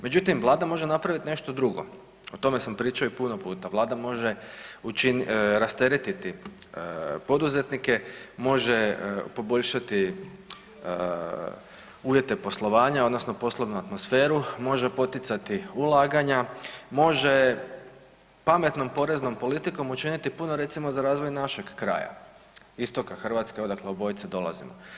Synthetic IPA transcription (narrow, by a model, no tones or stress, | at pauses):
me̞d͡ʑut̪imʋlˠaːd̪amo̞ʒe̞napɾaʋit̪ine̞ʃt̪o̞d̪ɾuɡo̞̰ | ot̪o̞me̞sampɾiːt͡ʃaoipuno̞puːt̪aʋlaːd̪amo̞ʒe̞ut͡ʃinɾast̪e̞ɾet̪it̪i | po̞d̪uze̞t̪nike̞mo̞ʒe̞po̞bo̞ʎʃat̪i | uːʋje̞t̪e̞po̞slˠo̞ʋaːɲaod̪no̞sno̞po̞slˠoʋnuat̪mosfe̞ːɾumo̞ʒe̞po̞t̪ɪt̪sat̪iulˠaːɡaɲamo̞ʒe | pame̞t̪no̞mpo̞ɾe̞zno̞mpo̞lit̪iko̞mut͡ʃinit̪ipunoɾe̞t̪simo̞zaɾaːzʋojnaʃe̞ɡkɾa̰ːja̰ | ist̪o̞kaxr̩ʋat̪ske̞o̞d̪akleobo̞jt̪sed̪o̞lˠa̰zḭmo